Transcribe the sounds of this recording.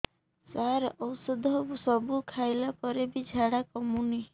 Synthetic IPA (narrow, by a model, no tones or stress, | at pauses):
saɾɔwsɔd̪ʱɔbusɔbukʰajlapɔɾebid͡ʒʱaɽakɔmuni